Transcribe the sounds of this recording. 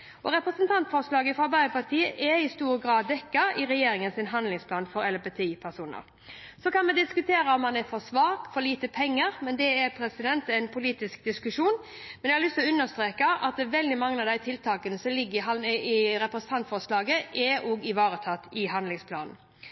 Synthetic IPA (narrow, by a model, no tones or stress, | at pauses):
ʔɔɾɛpɾɛsənt̪ʰɑnt̪fɔɾslɑːɡəfɔɑbæɪəpɑɾt̪ʰiːəʔɛɪst̪uːɾəɡɾɑːd̪ːɛkːɑɪɾɛjeːɾɪŋənsɪnɦɑnlɪŋspʰlɑːnfɔɾɛlbɛt̪ʰeːpʰæɾsuːnə̰ɾ | sɔkɑnmɛd̪ɪskʉt̪ʰeːɾəɔmːɑnɛfɔɾsʋɑːkfɔɾliːt̪əpʰɛŋːəɾmɛnd̪ɛɛɾpʰɾɛsɪd̪ɛnt̪ɛɪnpʰʊliːt̪ɪsk̚d̪ɪskʉʂuːn | mɛnɛɪhɑlʏst̪ɔʉnːəst̪ɾeːkɑʔɑt̪̚d̪ɛʋɛld̪ɪmɑŋːəɑʋd̪æɪt̪ʰɪlt̪ʰɑːkənəsɔlɪɡːəɦɑɪɾɛpɾəsn̩t̪ɑnt̪fɔslɑːɡəʔɛoːɡɪʋɑːɾət̪ʰɑt̪ːɪɦɑnlɪŋspʰlɑ̰ːnn̩